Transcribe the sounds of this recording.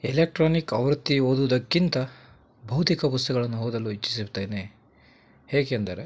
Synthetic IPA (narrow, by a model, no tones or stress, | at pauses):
elek̚ʈɾaːnikɐʋɐɾt̪ːioːd̪uʋud̪ɐkːint̪ɐ | bʱɐwt̪ikɐpust̪ɐɡɐɭɐnːuɦoːd̪ɐluit͡ʃːi̥sibt̪ɐjne | heːɡeːnd̪ɐɾe